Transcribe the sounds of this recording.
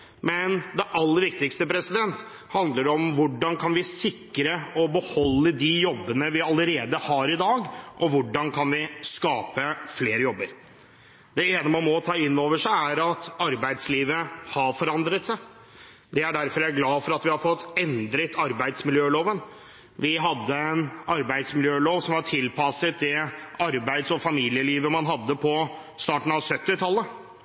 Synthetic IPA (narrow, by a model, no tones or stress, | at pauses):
mɛnd̪ɛʔɑlːəɾʋɪk̚t̪ɪkst̪əpʰɾɛsɪd̪ɛnt̪ | hɑnd̪ləɖɔmʋʊɖːɑnkʰɑnʋɪsɪkːɾəɔbəhɔlːəd̪ɪjɔbːənəʋɪɑləɾeːd̪əhɑɾɪd̪ɑːɡʔɔʋʊɖɑnkʰɑnʋɪskɑːpəfleːɾəjɔbːəɾ | d̪̥ɛeːnəmɑnmɔt̪ʰɑːɪnːoːʋəʂæɪæɾɑt̪ɑɾbæɪd̪sliːʋəhɑɾfɔɾɑnd̪ɾət̪sæɪ | d̪ɛæɖæɾfɔɾæɡlɑːfɔɾɑt̪ʋɪhɑɾfɔt̪ːɛnd̪ɾət̪ʰɑɾbæɪd̪smɪljøːloːʋən | ʋɪɦɑd̪ːəɛnɑɾbæɪd̪smɪljøːloːʋsɔmhɑʈʰɪlpʰɑsət̪̚d̪ɛɑɾbæɪd̪sɔfɑmiːlɪəliːʋəmɑnɦɑd̪ːəpʰɔ | st̪ɑːʈɳ̩ɑʋsœt̪ːɪt̪ʰɑlːə